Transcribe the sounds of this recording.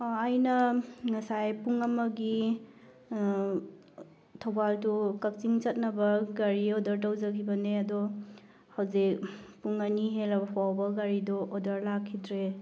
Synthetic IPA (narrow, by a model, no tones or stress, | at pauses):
jnɐŋɐsajpuŋɐmɐɡi | tʰawbaldukɐk̚t͡ʃiŋt͡ʃɐt̚nɐbɐɡaɾiodɐɾt̬awzɐkʰibɐneɐdɔ | hawzik̚puŋɐniɦelɐbɐpʰwawbɐɡaɾidɔʔːdɐɾlakʰːidɾe